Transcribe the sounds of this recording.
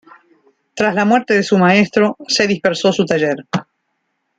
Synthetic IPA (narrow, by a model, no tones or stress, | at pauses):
t̪ɾazlamweɾt̪eðesumaest̪ɾo̞seðispeɾso̞sut̪aʒeɾ